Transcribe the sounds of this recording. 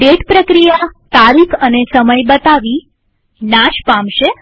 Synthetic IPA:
ɖeʈpɾəkɾijat̪aɾikʰənesəməjbət̪aʋi | nãʃpãmʃe

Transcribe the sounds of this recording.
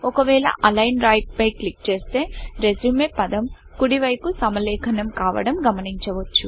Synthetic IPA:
ɔkɐʋɛːɭɐ̰ʔɐlɐjnɾɐjʈ̚pɐjklik̚t͡ʃe̞ːst̪e̞ːɾed͡ʒumepɐd̪ɐm | kuɽiʋɐjpusɐmɐlɛːkʰɐnɐmkaːʋɐ̰ɽɐmɡɐmɐniɲt͡ʃɐʋɐt͡ʃːu

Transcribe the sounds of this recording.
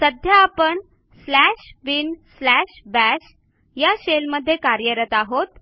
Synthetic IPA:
səd̪ʱjaːpəɳ | slæɕbinslæɕbæɕ | jaɕelməd̪ʱːjekaɾjəɾət̪aɦot̪

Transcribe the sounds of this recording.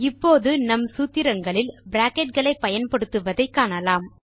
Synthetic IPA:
ɪpːoːðɯnɐmsuːt̪ːɪɾɐŋɡɐɭɪlbɪɾaːkɛʈ̚ɡɐɭɐɪpːɐjɐnpɐɽɯt̪ːɯʋɐðɐɪkːaːɳɐlaːm

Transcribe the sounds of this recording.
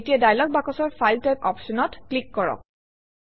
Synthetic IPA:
tiɛdajlɔk̚bakɔsɔɹfajltajpɔ̰psɔnɔtklikːɔɹɔ̰k̚

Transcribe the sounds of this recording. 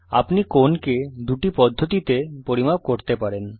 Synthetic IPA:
a̰pnikonked̪uʈipɔd̪ʱːot̪it̪epoɾimab̚koɾt̪epaɾen

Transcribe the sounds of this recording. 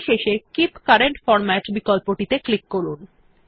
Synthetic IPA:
ʃeʃekipkaɾeɳʈfɔɾmæʈbikɔlpoʈit̪eklikːoɾun

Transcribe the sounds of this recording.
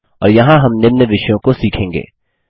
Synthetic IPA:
ɔːɾjɐɦãɦɐmnɪmnəʋɪʃjõkosiːkʰẽːŋɡḛː

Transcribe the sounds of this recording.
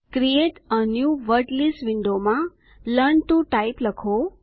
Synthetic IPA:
kɾieʈənjuʋəɾʈlisʋɪɳɖomã | ləɳʈuʈaipləkʰo

